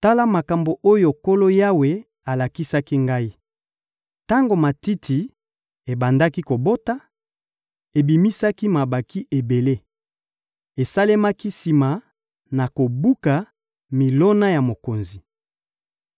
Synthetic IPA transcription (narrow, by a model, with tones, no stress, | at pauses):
ta˦la˦ma˨ka˨mbo˨ʔo˦jo˨ko˦lo˦ja˦we˨ | a˨la˨ki˦sa˦ki˦ŋɡa˦i˦ | ta˦ŋɡo˨ma˨ti˦tʰi˨ | e˨ba˨nda˦ki˦ko˨bo˦ta˦ | e˨bi˨mi˦sa˦ki˦ma˨ba˨ki˦ʔe˨be˨le˦ | e˨sa˦le˦ma˦ki˦si˨ma˨ | na˨ko˨bu˦ka˨ | mi˨lo˦na˦ja˨mo˨ko˨nzi˨